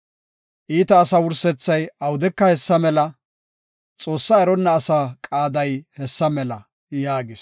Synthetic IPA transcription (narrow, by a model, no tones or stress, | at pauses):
ʔiːt̪ɐːsɐwʊɾsɛt͡sːɐjɐwʊd̪ɛkːɐhɛsːɐmɛlɐ | t͡sʼo̞ːsːaɛɾɔnːɐːsɐkʼaːd̪ɐjhɛsːɐmɛlɐ | jaːɡɪs